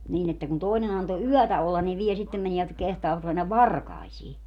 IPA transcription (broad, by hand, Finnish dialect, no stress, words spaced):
niːn etːæ kun toˑinen ɑnto yœˑtæ olːɑn ni ʋiɛ sitːem meniæt jɑ kehtɑːʋɑt menːæʋ ʋɑrkɑisiː